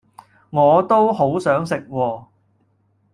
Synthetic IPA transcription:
ŋɔː˨˧t̪o˥who˨˥wsœː˨˥ŋsɪ˨k̚wɔː˧

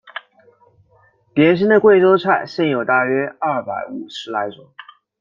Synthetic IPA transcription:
ljɛ˧˥nɕ̬i˥nd̪ə˨kwe˥˩ɪʈ͡ʂo˥ʊt͡sʰa˥˩ɪɕjɛ˥˩njo˨˩ʊt̪a˥˩ɥɛ˥ɐ˥˩pa˨˧˩ɪu˨˩ʂɻ̩˧˥la˧˥ɪʈ͡ʂʊ˨˦ŋ

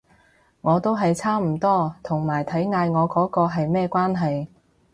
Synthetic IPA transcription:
ŋɔː˨˧t̪o˥wɦɐ˨jt͡sʰaː˥m̩˨˩t̪ɔː˥t̪ʰʊ˨˩ŋmaː˨˩jt̪ʰɐ˨˥jŋaː˧jŋɔː˨˧kɔː˨˥kɔː˧ɦɐ˨jmɛː˥˧kʷwaː˥nɦɐ˨j

